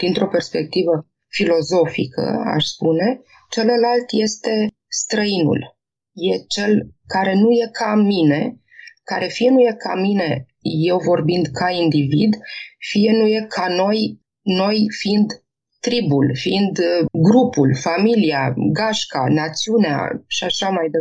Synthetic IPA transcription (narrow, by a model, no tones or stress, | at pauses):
d̪̥int̪ɾo̞pe̞rspe̞k̚t̪ivə | filo̞zo̞fḭkʰə̰a̰ʃspune̞ | t͡ʃe̞ləlalt̪je̞st̪e̞ | st̪ɾəinṵl | je̞t͡ʃe̞lkaɾe̞nuje̞kʰamine̞ | kaɾe̞fie̞nuje̞kʰa̰mine̞ | je̞wvo̞rbind̪kʰaind̪ivid̪fije̞nuje̞kʰano̞j | no̞jfiind̪ | t̪ɾibulfiind̪ɡɾupulfamilia̰ɡaʃka̰nat̪siunea̰ʃiaʃamajd̪e